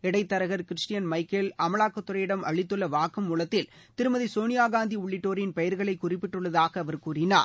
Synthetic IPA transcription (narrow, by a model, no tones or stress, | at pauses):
ɛɽɐɪt̪ːɐɾɐɣɐɾkɪɾɪʂʈɪjɐnmɐɪkːɛlɐmɐɭaːkːɐt̪ːʊɾɐjɪɽɐmɐɭɪt̪ːɯlːɐʋaːkɯmːuːlɐt̪ːɪl | t̪ɪɾɯmɐðisoːnɪjaːɡaːnd̪iʊɭːɪʈːoːɾɪnpɐjɐɾɣɐɭɐɪkːʊrɪpːɪʈːɯɭːɐðaːɣɐːʋɐɾkuːrɪna̰ː